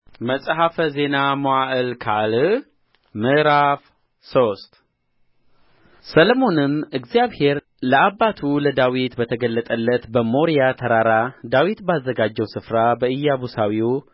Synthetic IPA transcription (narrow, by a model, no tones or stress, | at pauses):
məsʼɦafəze̞namoaʔɨlkʰal | mɨɾaf | sost̪ʼ | sələmo̞nɨmɨɡzjaβhe̞ɾ | ləabːat̪ʰuləd̪awit̪bət̪ʰəɡəlːət̪ʼəlːət̪bəmo̞ɾijat̪ʰəɾaɾad̪awit̪bazːəɡad͡ʒːɛwsɨfɾabəɨjːabusawiu